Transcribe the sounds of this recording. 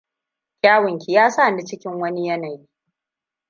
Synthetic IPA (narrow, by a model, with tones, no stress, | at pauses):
kʲaː˦wɪ˨ŋkʲi˨jaː˦sa˦˨ndi˨t͡ʃɪ˦kʲɪ˦ŋwɐ˦ni˦jɐ˦na˨ji˦